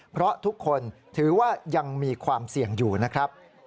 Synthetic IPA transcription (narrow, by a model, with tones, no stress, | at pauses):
pʰɾɔ˦˥t̪ʰu˦˥kʰːo˧nt̪ʰɯː˩˦waː˥˩ja˧ŋmiː˧kʰwaː˧msi˨˩əŋjuː˨˩na˦˥kʰɾa˦˥p̚